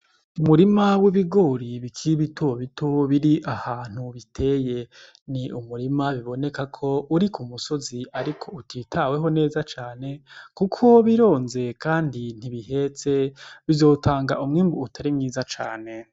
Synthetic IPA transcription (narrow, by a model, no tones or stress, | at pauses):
umuɾimawiβiɡoːɾiβikʰiiβituoβituβiɾiʔahaːn̥huβitʰe̞ːje̞ | niʔumuɾimaβiβo̞ne̞kakʰo̞uɾikʰumuso̞ziaɾikʰo̞utʰitʰawe̞ɦo̞ne̞ːzat͡ʃaːne̞kukʰo̞βiɾo̞ːnze̞kaːndin̥iβiɦe̞t͡se̞βizo̞ːtʰaːŋɡaʔumŋiːmbuːtʰaɾimŋiːzat͡ʃa̰ːne̞